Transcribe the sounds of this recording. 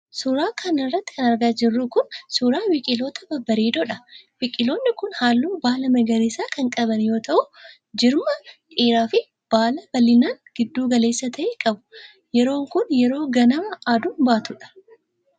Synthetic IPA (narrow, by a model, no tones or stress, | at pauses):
sʊɾaːkʰɐnɪrːɐt̪ːɪ̥kɐnɐɾɡaːd͡ʒɪrːuːkʊnsʊɾaːwɪkʼɪloːt̪ɐbɐbɐɾeːd̪ɔᶑɐwɪkʼɪlo̞ːnːɪkʊnhaːlːuːbaːlɐmɐɡɐɾiːsaːkɐŋkʼɐβɐnjo̞ːt̪ɐʔʊ | d͡ʒɪɾmɐkʼiːɾaːfɪ | b̥aːlɐbɐlɪnaːŋɡ̥ɪd̪ːuːɡɐle̞ːsːɐt̪ʰɐʔeːkʼɐbʊ̥ | jɛɾo̞ːŋkʊnjɛɾo̞ːɡɐnɐmɐʔaːd̪ʊnbaːt̪ʊᶑɐ̥